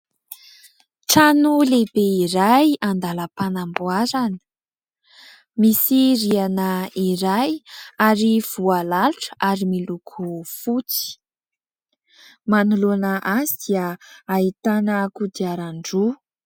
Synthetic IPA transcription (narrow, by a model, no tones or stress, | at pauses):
ʈ͡ʂanulebeiɾajand̪aləpanambuaɾanə̥ | misiɾianəiɾajaɾiv̥ualaluʈ͡ʂə̥ʔaɾimilukʰufut͡si̥ | manulonəʔazid̪̥iəait̪anəkud̪iaɾaɳɖ͡ʐu